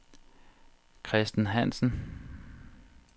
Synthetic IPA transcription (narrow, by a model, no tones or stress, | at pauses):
kʰʁɛsd̥n̩ɦæn̰sn̩